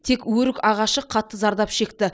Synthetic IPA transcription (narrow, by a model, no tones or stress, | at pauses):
t̪ʰe̞kwɵɾɪkɑʁɑʃəqʰɑt̪ːəzɑɾd̪ɑpʃe̞kt̪ɪ